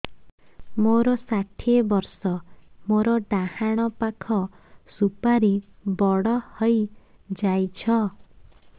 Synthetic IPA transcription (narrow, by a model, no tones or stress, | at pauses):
moɾɔsaʈʰiebɔɾsɔmoɾɔɖahaɽ̃ɔpakʰɔ | supaɾi | bɔɽɔhɔj | d͡ʒajt͡ʃʰɔ